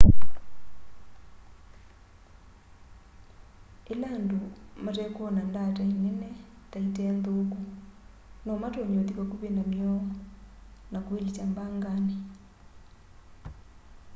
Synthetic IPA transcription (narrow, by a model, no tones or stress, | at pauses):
elandomatɛkwɔnandatainenɛ | taitɛnd̪oku | nɔmatoɲɔðikakuβenamjɔ | nakoelit͡ʃambaŋɡane